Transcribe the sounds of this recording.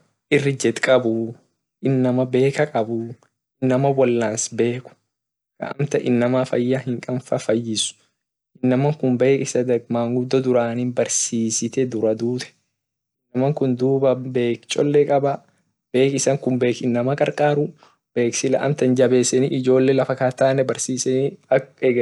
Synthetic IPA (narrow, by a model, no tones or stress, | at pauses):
ʔɪrːɪd͡ʒɛt̪kʼɐbʊ | ʔɪnːɐmɐbe̞ːkɐkʼɐbʊ | ʔɪnːɐmɐbɔlːaːnsbe̞ːkʊ̥ | kɐ̰ʔɐ̰mt̪ɐʔɪnːɐmɐfɐjːahɪŋkʼɐnfɐfɐjːɪsʊ̥ | ʔɪnːɐmɐŋkʊmbe̞ːkʼɪsɐd̪ɐɡmaːŋɡʊd̪ːɔd̪ʊɾaːnɪnbɐɾsiːsɪt̪ɛd̪ʊɾɐd̪uːt̪ɛ̥ | ʔɪnːɐmɐŋkʊnd̪uːbɐbe̞ːkt͡ʃʼɔlːɛkʼɐbɐ | b̥e̞ːkɪsɐŋkʊmbe̞ːkɪnːɐmɐkʼɐɾkʼaːɾʊ | b̥e̞ːksɪlɐ̰ʔɐ̰mt̪ɐnd͡ʒɐbe̞ːsɛniʔɪd͡ʒo̞ːlːɛlɐfɐkaːt̪ːaːnːɛbɐɾsiːsɛniɐɛɡ